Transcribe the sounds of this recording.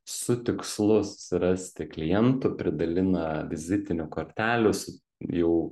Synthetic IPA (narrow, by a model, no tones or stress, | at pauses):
sʊt̪ʲɪkslˠʊsʊ̥sʲɪɾɐsʲt̪ʲɪklʲɪjɛnt̪ʊpʲɾʲɪd̪ɐlʲɪnɐʋʲɪzʲɪt̪ʲɪnʲʊkoːɾʲt̪ʲæːlʲʊsʊ | jɛʊ